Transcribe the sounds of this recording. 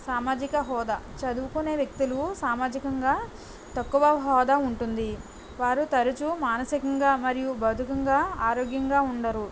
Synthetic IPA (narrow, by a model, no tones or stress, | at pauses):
saːmaːd͡ʒikɐɦɔːd̪ɐt͡ʃɐd̪uʋukuneːʋjɐk̚t̪ilusaːmaːd͡ʒikɐŋɡaː | t̪ɐkːuʋɐɦɔːd̪auɳʈund̪i | ʋaːɾut̪ɐɾut͡ʃumaːnɐsikɐŋɡaːmɐɾijubɐd̪ʱukɐŋɡaːaːɾoːɡjɐŋɡaːuɳɖɐɾu